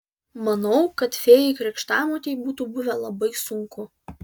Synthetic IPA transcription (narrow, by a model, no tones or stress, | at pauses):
mɐnɒʊkɐt̪fʲeːjɪkɾʲɪkʃt̪ɑːmoːt̪ʲeɪbuːt̪uːˑbʊʋʲɛlˠɐbɐɪsʊŋkʊ